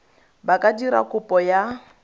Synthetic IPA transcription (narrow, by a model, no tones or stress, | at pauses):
bakʼadiɾa̰kʼʊpʼɔja